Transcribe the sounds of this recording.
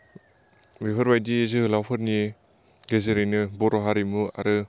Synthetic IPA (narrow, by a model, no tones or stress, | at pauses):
bipʰɐɾbajdizɯhɯlawpʰɯɾni | ɡezeɾejnɯbɔɾɔɦaɾimua̰ɾɯ